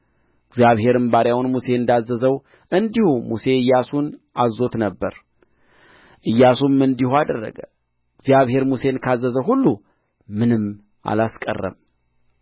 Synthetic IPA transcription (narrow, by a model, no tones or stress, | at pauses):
ɨɡzjaβhe̞ɾɨmbaɾjawunmuse̞ɨnd̪azːəzəw | ʔɨnd̪ihumuse̞ɨjːasunʔazo̞t̪nəbːəɾ | ʔɨjːasumɨnd̪ihuad̪ərːə̰ɡə | ɡzijaβhe̞ɾmuse̞nkʰazːəzəɦulːu | mɨnɨm | ʔa̰laskʼə̰rːə̰m